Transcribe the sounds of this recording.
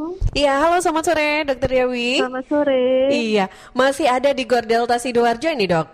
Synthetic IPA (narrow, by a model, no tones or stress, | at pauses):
ijaɦalosamat̪soɾedɔk̚t̪ərjawiamasoɾeija | masihadadiɡɔrdɛlt̪asidoard͡ʒainidɔk̚